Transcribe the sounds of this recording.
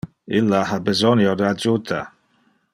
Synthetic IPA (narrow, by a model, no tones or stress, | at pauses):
ilːaabəzɔnjod̪əad͡ʒut̪ʰa̰